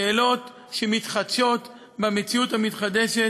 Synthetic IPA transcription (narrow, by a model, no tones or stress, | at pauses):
eːlo̞t̪ | ʃemit̪χat͡ʃo̞t | bamet͡siuthamit̪χad̪eʃe